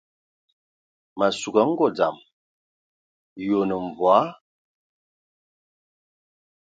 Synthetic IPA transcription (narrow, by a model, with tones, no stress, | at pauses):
ma˨su˨ɡa˨˦ŋ̩˦ɡɔ˦˨d͡za̰˨m | jo˨nə˨ɱ˨vwa˨˦